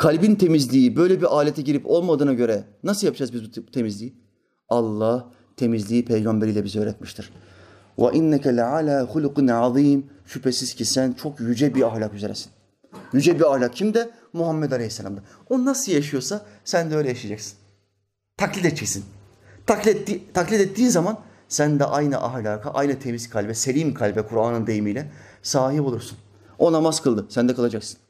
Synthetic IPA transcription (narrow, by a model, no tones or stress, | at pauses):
kʰalʲbint̪ʰe̞mizlʲiibø̞jlʲɛbiɾʔaːlʲet̪ʰɛɟiɾipo̞lˠmad̪ɯːnaɟø̞ɾɛnasɯlˠjap̚d͡ʒaːzbizbut̪ʰe̞mizlʲiː | alˠːah | t̪ʰe̞mizlʲiːpʰejɡambeɾijlʲɛbizɛøːɾɛt̪miʃt̪ʰiɾ̥ | va̰ʔinːɛkʰɛlʲʕalʲaːxulqnʕaðiːm | ʃypʰesiz̥cʰisænt͡ʃʰo̞kjyd͡ʒɛbiahlʲakyzeɾɛ̰si̥n | jyd͡ʒɛbiahlʲak̚cʰimd̪ɛ | muɦamːɛd̪alʲehisːalʲa̰md̪a | onnasɯlˠjaʃ̬ɯjo̞sasænd̪ɛø̞jlʲɛjaʃijad͡ʒaksi̥n | t̪ʰaklʲit̪ɛt͡ʃʰesin | t̪ʰakʲtːit̪ʰaklʲit̪ɛt̪ːiːnzaman | sænd̪ɛʔajnɯ̰ʔahlʲaːkʰaʔa̰jnɯt̪ʰemiskʰalʲbɛselʲimkʰalʲbɛkʰuɾaːnɯnd̪e̞jimiːlʲɛsaːɦipolˠuɾsun | o̞namazkʰɯlˠd̪ɯsænd̪ɛkʰalˠad͡ʒaksɯ̥n